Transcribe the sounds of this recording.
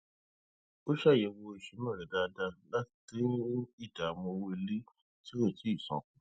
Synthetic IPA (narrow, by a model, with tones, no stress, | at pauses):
o˦ʃa˦˨jɛ˧˨wo˧i˨ʃe˨˦mɔ̃˦˨ɾɛ˨da˧da˧la˦ti˦i˦˨da˨mõ˧woe˦˧li˦ | ti˦o˦˨ti˨˦i˦˨sɔ̰̃˨˧kũ˨˦